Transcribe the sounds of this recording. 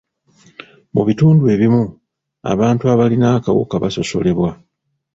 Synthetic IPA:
muβituːndue̞ːβimu | a̰βaːntuaβalinaːka̰wṵkaβaso̞so̞̰le̞βwa

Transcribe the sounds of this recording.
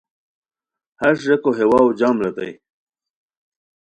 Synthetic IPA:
hɐɾʂʐekoɦewaːwd͡ʑaːmɾet̪a̰j

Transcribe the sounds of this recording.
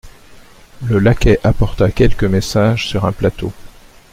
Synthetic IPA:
ləlakʲɛʔapɔʁt̪akʲɛlkəmesaʒsyʁɛ̃plat̪o

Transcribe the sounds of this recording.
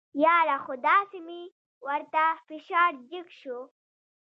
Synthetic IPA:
jɑːɾaxʊd̪ɑːsimi | wɐɾt̪afiʃɑːɾd͡ʒikʃu

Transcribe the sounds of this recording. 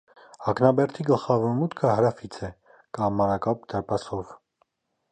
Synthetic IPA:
ɑknɑbɛɾt̪ʰiɡəlχɑvɔɾmut̪kʰəɦəɾɑfit͡sʰɛ | kɑmːɑɾɑkɑp̚d̪əɾpɑsɔv

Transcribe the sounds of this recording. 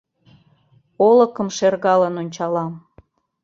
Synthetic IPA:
oləkəmʃerɣɑlənonʲt͡ɕɑlɑm

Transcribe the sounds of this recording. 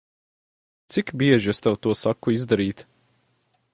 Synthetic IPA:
t̪sikbiɛʒiɛst̪ɛwt̪uɔsakːuizd̪aɾiːt̪

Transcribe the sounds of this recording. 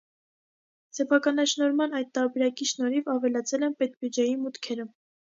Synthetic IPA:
sɛpʰɑkɑnɑʃnɔɾmɑnɑjt̪t̪ɑɾbɛɾɑkiʃnɔɾivɑvɛlɑt͡sʰɛlɛnpɛt̪bjud͡ʒɛjimut̪kʰɛɾə

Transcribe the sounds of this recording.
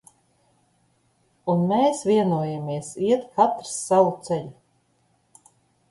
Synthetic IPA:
unmeːsvʲiɛnuɔjamiɛsiɛt̪kat̪ɾsːawut̪sɛʎʲu

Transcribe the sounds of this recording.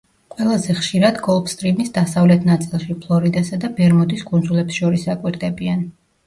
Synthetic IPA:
qʼwɛlˠazɛχʃiɾad̪ɡɔlˠbst̪ʼɾimisd̪asavlɛt̪ʰnat̪sʼilˠʃipʰlˠɔɾid̪asad̪abɛɾmɔd̪iskʼund̪zulɛpsʃɔɾisakʼwiɾd̪ɛbian

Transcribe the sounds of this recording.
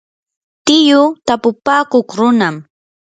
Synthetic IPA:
t̪ɪjʊt̪apʊpaːkoχɾʊnam

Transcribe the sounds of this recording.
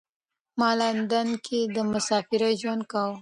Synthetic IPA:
mɑland̪ankʰed̪əmʊsɑfɪɾaʒwand̪̚kaw

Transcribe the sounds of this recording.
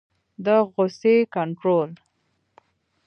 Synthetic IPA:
d̪əɣosekaɳʈɾol

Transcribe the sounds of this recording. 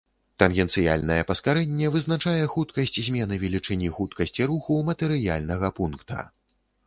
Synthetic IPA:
t̪ɐnɣʲɛnt̪sɨja̰lʲnɐjɛpɐskaɾɛnʲːɛvɨznat͡ʂajɛxut̪kɐsʲt͡sʲzʲmʲɛnɨvʲɛlʲit͡ʂɨnʲixut̪kɐsʲt͡sʲiɾuxumɐt̪ɛɾɨja̰lʲnɐɣɐpunkt̪ɐ̰

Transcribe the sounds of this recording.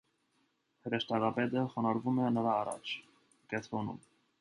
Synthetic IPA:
həɾəʃt̪ɑɡɑpɛt̪əχɔnɑɾvumɛnəɾɑːrɑ̰t͡ʃʰ | kɛnt̪ʰɾɔnṵm

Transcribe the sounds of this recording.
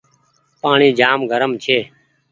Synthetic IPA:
paːɳiːd͡ʒaːmɡʱəɾəmt͡ʃʰeː

